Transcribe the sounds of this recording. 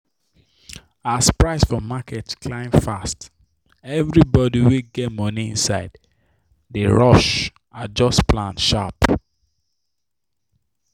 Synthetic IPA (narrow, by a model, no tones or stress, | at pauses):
aspɹaɪsfɔmakʰɛtkʰlãɪ̃mfast | ɛvɹibɔdiweɡɛtmɔniḭ̃nsaɪd | deɹɔʃ | ad͡ʒɔsplãndʃa̰p